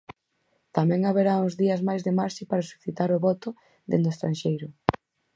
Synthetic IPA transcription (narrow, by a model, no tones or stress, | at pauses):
t̪amɛ̃ŋaβeɾaʊzðiɐzmajzðemaɾʃɪpaɾasu̥θit̪aɾʊβɔt̪ʊ | d̪ḛnd̪ʊest̪ɾãnʃejɾʊ